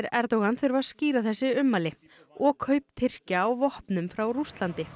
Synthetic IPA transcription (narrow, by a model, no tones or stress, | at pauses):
ɾɛɾt̪owɣanθʏɾvasciːɾaθɛsːɪʏmːalɪ | ɔɣkʰœɥp̚t̪ʰɪr̥caːwvɔhpnʏmfɾawɾust̪lant̪ɪ